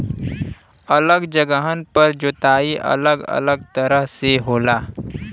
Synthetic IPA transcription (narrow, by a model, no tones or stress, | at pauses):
ələɡd͡ʒəɡəɦənpəɾd͡ʒʊt̪aːiʔə̰ləɡə̰ləɡ̚t̪əɾəɦseɦoːlaː